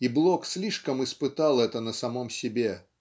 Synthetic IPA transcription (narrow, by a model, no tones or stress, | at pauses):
iblˠoksʲlʲiʂkəmɨspɨt̪alˠɛt̪ənəsɐmomsʲɪbʲe